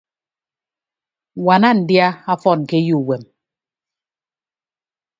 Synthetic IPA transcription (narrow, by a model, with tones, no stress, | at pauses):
wa˨na˦˨n̩˨dja˦a˦fɔ˦˨n˨ke˦ju˦˨wɛ˨m